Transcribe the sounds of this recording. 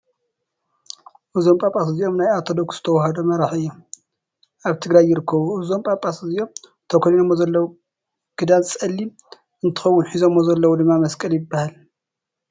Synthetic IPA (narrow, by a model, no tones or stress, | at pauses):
ʔɨzo̞mpʼapʼasɨziʔo̞mnajat̪ʰod̪o̞ksz̥ɨt̪ʰɐwɔɦɐd̪omɐɾaħiɨjːu | ʔaβt̪ʰɨɡɾajːɪɾɨkʰːɐβuɨzo̞mpʼapʼasɨzijo̞m | t̪ʰɐkʰoninomːozɐlːɐwu | ɡ̥ɨd̪ansʼɐlːi | ʔɨnt̪ʰɨ̥xɐwːʊnħizomːozɐlːɐwud̪ɨmːamɐskʼɐljɪbːahal